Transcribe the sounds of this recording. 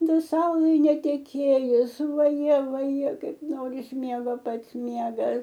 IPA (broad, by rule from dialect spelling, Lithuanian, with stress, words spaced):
dɐ ˈsɐʊlˠɐɪ nʲɛtʲɛˈkʲeːjʊs ʋɐˈjɛ ʋɐˈjɛ ˈkɐɪp ˈnoːrʲɪs ˈmʲiɛɡoː ˈpɐts ˈmʲiɛɡɐs